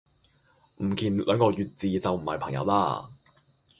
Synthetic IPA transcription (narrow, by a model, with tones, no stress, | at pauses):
m̩˨˩kiː˨˩nlœː˨˧˥ŋkɔː˧jyː˨t̚t͡siː˨˧t͡sɐ˨wm̩˨˩hɐ̰˨jpʰɐ˨˩ŋjɐ̰˨˧wla̰ː˧˥